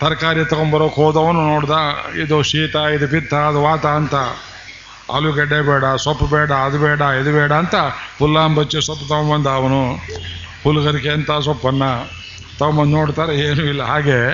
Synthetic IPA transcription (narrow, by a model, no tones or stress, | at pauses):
t̪ɐɾkaːɾit̪ɐkombɐɾoːkoːd̪ɐʋɐnːunoːɽd̪aːid̪uʃiːt̪ɐid̪upit̪ʰːɐːd̪uʋaːt̪aɐnt̪ɐ | ɐ̰luɡɛɖːebɛːɽɐsɔpːɐbɛːɽɐːd̪ubɛːɽɐid̪ubɛːɽɐːnt̪ɐpulːaːmbɐt͡ʃːisɔpːɐt̪ɐkmbɐnd̪aːʋɐnu | huluɡɐɾikeɐnt̪aːs̬ɔpːɐnːɐ | t̪ɐʋmɐnnoːɽt̪aːɾeeːnuilːɐɦaːɡe